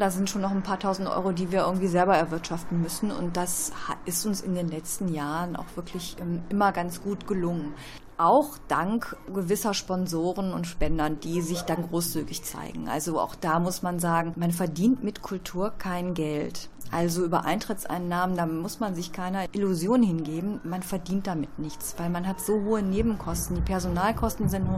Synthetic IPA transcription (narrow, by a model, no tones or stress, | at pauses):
dazɪntʃoːnːɔχnpʰaːɐtʰaʊzn̩tʔɔ̰ʏʁodiːviːɐɪɐɡŋ̩tv̥iːzɛlbɐɛɐvɪɐtʃaftn̩mʏsn̩ʊ̰nt̚d̥ashaʔɪstʊnsɪ̰ndeːnlɛt͡stn̩jaːʁənʔa̰ʊxv̥ɪɐkʰlɪçʔɛmʔɪmɐɡant͡sɡ̥uːtɡ̥əlʊŋən | ʔaʊxd̥aŋkɡ̥əvɪsɐʃpɔnzoːʁənʊntʃpɛndɐd̥iːzɪçd̥anɡʁoːst͡syːɡɪçt͡sa̰ɪɡŋ̩ʔa̰lzoʔa̰ʊxd̥aːmʊsmanzaːɡŋ̩manfɛɐdiːntmɪtkʰʊltʰuːɐkʰaɪnɡɛltʔalzoʔyːbɐʔa̰ɪntʁ̥ɪtt͡sʔa̰ɪnːaːməndaːmʊsmanzɪçkʰaɪnɐʔɪluzjoːnhɪnɡeːbm̩manfɛɐdiːnt̚d̥amɪtnɪçt͡sv̥aɪlmanɦatz̥oːhoːəneːbm̩kʰɔstn̩diːpʰɛɐzonaːlkʰɔstn̩zɪntnu